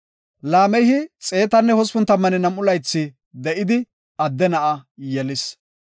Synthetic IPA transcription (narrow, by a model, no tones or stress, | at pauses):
laːmɛjhɪt͡sʼe̞ːt̪ɐnːɛhɔspʊnt̪ːɐmːɐnɪnɐmːʊlɐjt͡sːɪ | d̪ɛʔɪd̪ɪ | ɐd̪ːɛnɐʔɐjɛlɪs